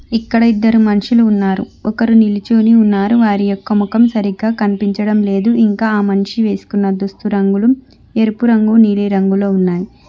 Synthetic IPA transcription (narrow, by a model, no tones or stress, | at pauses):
ikːɐɽɐid̪ːɐɾumɐnʂiluːnːaːɾṵɔkɐɾunilit͡ʃoːniunːaːɾuʋaːɾijɔkːɐmukɐmsɐɾiɡaːkɐnipiɲt͡ʃɐɽɐmle̞ːd̪uʔiŋkaːaːmɐnʂiʋe̞ːsu̥kunːɐd̪ust̪uɾɐŋɡulum | e̞ɾupuɾɐŋɡuniːliɾɐŋɡuloːunːaːji